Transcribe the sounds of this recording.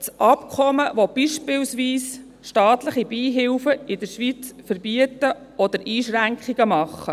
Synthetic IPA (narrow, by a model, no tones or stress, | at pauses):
sʔɑpkʰɔməʋɔb̥iʃpɪlsʋiːs | ʃtɑːt̪ləχibiːɦɪwfəɪdəɾʃʋit͡sfəɾbiətə | ɔd̪əɾʔiːʃɾæŋkχiɡəmɑχːə